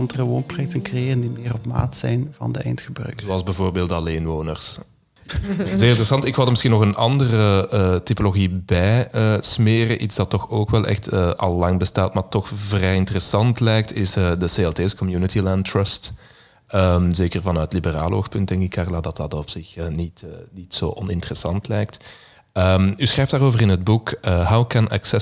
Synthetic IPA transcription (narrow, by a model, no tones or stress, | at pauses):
ɑndərəʋoːnprojɛk̚tənkrejeːrəndimɪːrɔpma̰ːtsɛjnvɑ̰ndəɛ̰jntxəbrœ̰ːkzoɑlˠzbɛvoːrbeːlˠtɑleːnʋoːnərs | zeːrɪntərəsɑntɪkʋɑlˠdərməsxiːnɔxənɑ̰ndərəətipoloɣibɛjəsmeːrəʔitzd̥ɑtːɔxoːkʋɛlˠʔɛ̰xtʰəʔɑ̰lˠːɑŋbəstaːtmaːrtɔxvrɛjɪntərəsɑntlɛjk̚tʰɪsədəseːɛlˠteːsə̥kɔmjuːnətilɛntrœst | əmzeːkərvɑnœːtlibəra̰ːlˠo̰ːxpɵnt̚d̥ɛŋkɪkʰːarlaːdɑtɑtɔpsɪxəːnitːnitso̰ːʔɔnɪntərəsɑntlɛjk̚t | əmysxrɛjftdaːroːvərɪnɦəd̚bukəɦawkɛna̰ksɛ